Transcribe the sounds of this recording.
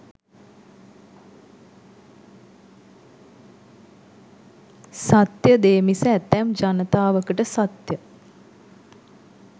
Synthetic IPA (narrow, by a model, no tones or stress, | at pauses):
sat̪jəd̪eːmisəæt̪ːɛmd͡ʒanət̪aːʋəkəʈəsat̪jə